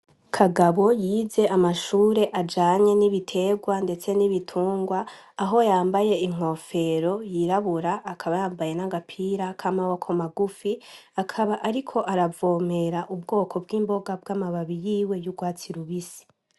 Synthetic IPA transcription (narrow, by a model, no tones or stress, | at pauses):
kʰaɡaβo̞jiːze̞ʔamaʃuːɾe̞ʔad͡ʒaːɲe̞niβitʰe̞ɡwande̞t͡se̞niβitʰuːŋɡwaːɦo̞jaːmbaje̞iŋ̥o̞fe̞ɾo̞jiɾaβuɾaʔːkʰaβajaːmbaje̞naɡapʰiɾakʰamawokʰomaɡufiakʰaβaʔaɾikʰo̞ʔaɾavo̞me̞ɾaʔub̚ɡo̞ːkʰo̞b̚ɡiːmbo̞ɡab̚ɡamaβaβijiːwe̞juɡwaːt͡siɾuβisi̥